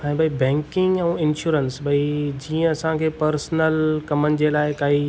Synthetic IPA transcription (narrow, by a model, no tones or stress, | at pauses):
ɛ̃ːbʱɐibɛ̃ːŋkɪ̃ŋɡɛ̃ɪnʃuːɾənsbʱɐid͡ʑiːə̃ɐsãkʰeːpɐɾsnəlkɐmənɪ̆d͡ʑeːlaːɪkaːi